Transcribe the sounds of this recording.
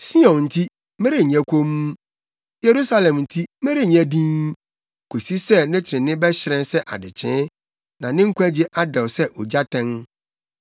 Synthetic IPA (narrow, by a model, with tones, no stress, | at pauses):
si˦ɔ̃˨nn̩˨tʰi˦ | mɛ̃˦ɾe˦˨ɲɛ̃˦kʷʰõ˦m˦ | je˨ɾu˦sa˦lɛ̃˨mn̩˨tʰi˦mẽ˦ɾi˦˨ɲɛ̃˦dĩ˦n˦ | kʰo˨si˦sɛ˦nɛ̃˦t͡ɕʰɾɪ̃˨nɪ̃˦bɛ˦ɕɪ˨ɾɛ̃˦n˦sɛ˦ʔa̰˨dɪ˨t͡ɕʰɪ̃˨˦ | nã˨nɪ̃˦ŋ̩˦kʷæ˦d͡ʑe˦ʔa˦dɛ˨wsɛ˦ʔɔ˨d͡ʑa˦tʰɛ̃˦ŋ